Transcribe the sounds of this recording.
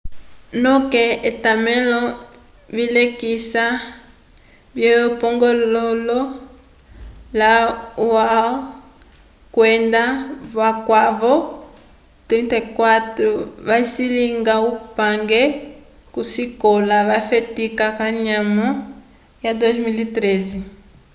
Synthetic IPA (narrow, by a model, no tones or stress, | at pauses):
nɔkɛetamɛlɔ | βilekisa | bjɛjɔpɔŋɡɔlɔlɔ | lawa | kwɛndaβwakwavɔ | t̪ɾɛntekwatɾɔβaisiliŋɡaupaŋɡɛ | kusikɔlaβafetikakaɲamɔ | jadɔzmilitɾɛzi